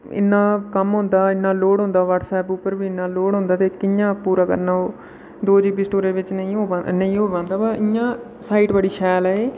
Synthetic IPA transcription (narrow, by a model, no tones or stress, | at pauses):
ɪ̰nːãːkəmɦʊ̃nd̪aːɪnːãːloːɽɦõːnd̪aːʋəːʈsɛːpuːpːəɾʋiːɪnːãːloːɽɦõːnd̪aːt̪eːkɪjãːpuːɾaːkə̰ɾnãːoː | d̪oːd͡ʒiːpiːsʈoːɾeːʋɪt͡ʃnəĩːõːnəĩːɦoːʋãːnd̪aːbaʔɪjãː | saːiːʈbəɽiːʃɛːlːeː